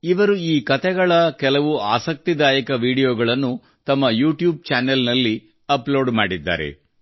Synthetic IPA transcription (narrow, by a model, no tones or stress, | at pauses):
iʋɐɾuiːkɐt̪ʰɛɡɐɭɐkɛlɐʋuaːsɐk̚t̪id̪aːjɐkɐʋiːɽijoːɡɐɭɐnːu | t̪ɐmːɐjuːʈjuːb̚t͡ʃaːnelnɐlːi | ɐplo̞ːɖmaːɽid̪ːa̰ːɾḛ